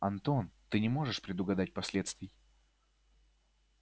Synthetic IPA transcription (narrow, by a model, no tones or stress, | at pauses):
ɐnt̪o̞nt̪ɨnʲɪmo̞ʐɨʂpɾʲɪd̪ʊɡɐd̪at̚ʲpɐsʲlʲe̞t̪st̪vʲɪj